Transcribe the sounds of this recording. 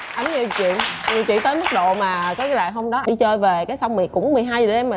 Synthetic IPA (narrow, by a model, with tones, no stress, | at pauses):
ʔa˨˦jŋɲi˨˩t͡ɕwḭ˧˨ənɲi˨˩wt͡ɕwḭ˧˨nt̪əː˨˦jmə˦˥t̚ɗo̰˧˨maː˨˩kɔː˨˦˨laː˧˨˩ɦo˧wŋ͡mɗɔ˨˦ɗi˧t͡ɕəː˧jve˨˩kaː˨˦jsa˧wŋ͡mmi˨˩kːʊ̰˧˥ŋ͡mmɨ˨˩əjɦaː˧jzɗe˧mː˨